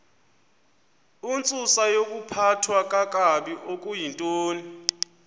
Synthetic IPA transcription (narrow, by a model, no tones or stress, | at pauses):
unt͡sʼusajok̬ʼupʰatʰwakʼak̬ʼaɓiʔok̬ʼujintʼoːni